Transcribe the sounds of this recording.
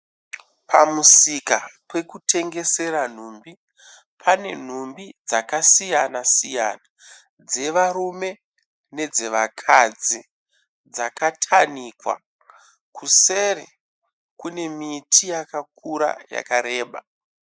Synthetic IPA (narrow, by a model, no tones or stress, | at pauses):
pʰamusikapwe̞kutʰe̞ŋɡe̞se̞ɾan̤uːmbi | pʰane̞n̤umbid͡zakasijanasija̰na | d͡ze̞ʋaɾume̞ | ne̞d͡zeʋakʰad͡zi | d͡zakatʰanikwa̰ | kuse̞rḛ | kune̞mitʰijakakuɾa̰ja̰kaɾe̞ːɓa̰